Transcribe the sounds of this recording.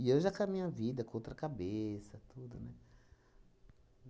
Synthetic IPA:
iewʒakamĩɲɐvid̪ɐkõt̪ɾɐkabesɐt̪ud̪ʊnɛ

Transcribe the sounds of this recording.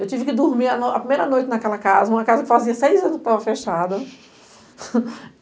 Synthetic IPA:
ewt͡ʃivɪkɪd̪uɾmiɾɐnoɐpɾimejɾɐnojt͡ʃɪnakɛlɐkazɐũmɐkazɐkɪ̥faziɐsejzɐ̃nʊskɪ̥t̪avɐfeʃad̪ɐ

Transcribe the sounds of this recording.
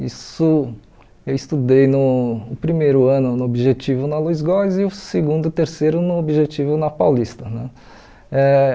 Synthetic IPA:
ḭsʊ | ewist̪ud̪ejnʊːpɾimejɾʊɐ̃nʊnʊobiʒet͡ʃivʊnɐlujzɡɔzɪʊseɡũd̪ʊɪt̪eɾsejɾʊnʊobiʒet͡ʃivʊnɐpawlist̪ɐnɛ̰̃ | ɛ

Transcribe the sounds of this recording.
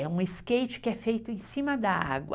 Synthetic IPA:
ɛũɪskejt͡ʃɪ̥kɪɛfejt̪ʊẽsĩmɐd̪ɐa̰ɡwɐ̰

